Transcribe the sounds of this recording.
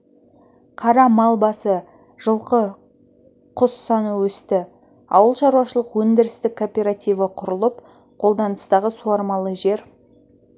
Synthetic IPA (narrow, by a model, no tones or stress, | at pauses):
qʰɑɾɑmɑlˠbɑsə | ʒ̥əlˠqə | qʰʊsːɑnuwɵst̪ɪ | ɑ̰wəlˠʃɑɾuwɑʃəlˠəqwɵnd̪ɪɾɪst̪ɪkʰːopʲe̞ɾat̪ijvəqʰʊɾəlˠəp | qʰo̞lˠd̪ɑnəst̪ɑʁəsuɑɾmɑlˠəʒe̞ɾ